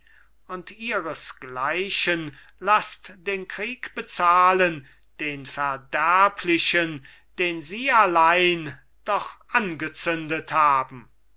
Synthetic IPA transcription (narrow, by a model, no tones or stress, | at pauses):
ʊntiːʁəsɡ̥laɪɕən | lastd̥eːnkʁiːkb̥ət͡saːlən | d̥eːnfɛɐdæɐpʰlɪɕən | d̥eːnziːalaɪn | d̥ɔχʔanɡət͡sʏndəthaːbm̩